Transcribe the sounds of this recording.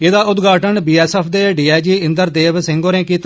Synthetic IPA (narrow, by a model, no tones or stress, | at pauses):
ɪd̪aːʊd̪ɡaːʈəɳbiːɛːsɛːpʰd̪eːɖiːaːjd͡ʒiːɪ̃nd̪əɾd̪eːʋsɪ̃ŋɡoːɾẽːkiːt̪